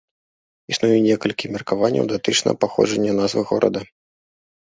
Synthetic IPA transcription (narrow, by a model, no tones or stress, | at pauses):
isnujunʲɛkɐlʲkʲimʲɐrkavanʲːɐ̰wd̪at̪ɨt͡ʂnɐ̰paxɔ̰ʐɐnʲːɐnazvɨɣɔ̰ɾʔɐ̰d̪ɐ